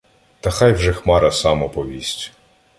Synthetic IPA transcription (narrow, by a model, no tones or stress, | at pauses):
t̪ɐxɑjwʒɛxmɑɾɐsɑmɔpɔʋʲisʲtʲ